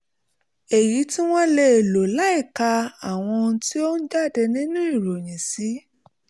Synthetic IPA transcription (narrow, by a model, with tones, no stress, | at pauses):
e˨ji˨˦tĩ˦w̃ɔ̃˦le˧e˨lo˨la˨˦i˦˨ka˧a˨w̃ɔ̃˧ti˦o˦n̩˦d͡ʒa˦˨dɛ˧nĩ˦nũ˦i˦˨ɾo˨j̃ĩ˨si˨˦